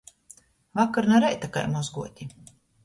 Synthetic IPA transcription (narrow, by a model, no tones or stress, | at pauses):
vakaɾnaɾɛjt̪aka̰jmɔzɡuɔt̪ʲi